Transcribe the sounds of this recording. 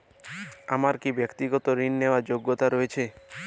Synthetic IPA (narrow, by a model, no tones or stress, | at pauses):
amaɾkibjəkt̪iɡɔt̪oɾinːeʋad͡ʒoɡːot̪aɾɔet͡ʃʰe